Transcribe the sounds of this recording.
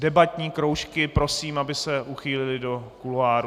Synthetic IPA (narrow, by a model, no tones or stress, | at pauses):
dɛbat̪ɲiːkɾowʃkɪpɾo̞siːmabɪsɛʔuxiːlɪlɪdo̞kuloaːɾu